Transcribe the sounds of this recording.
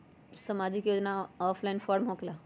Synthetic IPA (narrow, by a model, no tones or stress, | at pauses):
samad͡ʒɪkjoːd͡ʒnaɔːpʰlaɪnfʰɔːɾmɦokla